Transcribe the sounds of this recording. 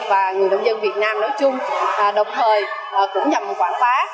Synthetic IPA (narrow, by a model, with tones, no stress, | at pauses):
vaː˨˩ŋɨ˨˩əjɗə˧wŋ͡mzə˧nvi˨˩t̚naː˧mnɔ˨˦jt͡ɕʊ˧ŋ͡mʔəː˨˩ɗə˨˩wŋ͡mt̪ʰəː˨˩j | ʔəː˨˩kʊ̰˧˥ŋ͡mɲa˨˩m˨˩t̚kwaː˧˩nxwaː˨˦